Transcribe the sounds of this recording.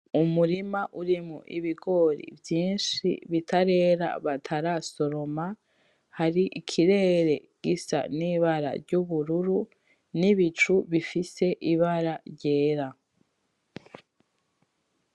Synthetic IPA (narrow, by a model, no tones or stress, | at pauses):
umuɾimaʔuɾimuʔiβiɡo̞ɾḭvjiːnʃḭβitʰaɾe̞ːɾa̰βatʰaɾaso̞ɾo̞ma | haɾiʔikʰiɾe̞ːɾe̞ɡ̥isa̰niːβaɾa̰ɾɟuβuɾuɾu | niβit͡ʃuβifise̞ʔiβaɾaɾɟe̞ːɾa